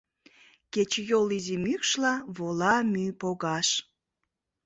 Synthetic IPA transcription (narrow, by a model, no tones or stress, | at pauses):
ket͡ɕjolizimykʃlɑβolɑmypoɣɑʃ